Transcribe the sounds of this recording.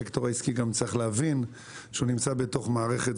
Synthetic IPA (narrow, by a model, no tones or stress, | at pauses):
ektoʁaiskiɡamt͡saʁiχleavin | ʃeunimt͡sabeto̞χmaːʁe̞χet